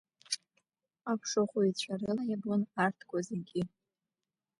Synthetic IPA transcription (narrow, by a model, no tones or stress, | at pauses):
apʷʰʂoχʷoit͡ɕʷʰaɾɨlajabonartʰkʷazɨɡʲɪ